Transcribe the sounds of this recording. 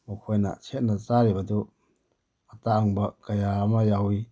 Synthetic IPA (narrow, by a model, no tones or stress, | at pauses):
mukʰojna̰t͡ʃʰet̚nazaɾibadu | ataaŋbakajamajawi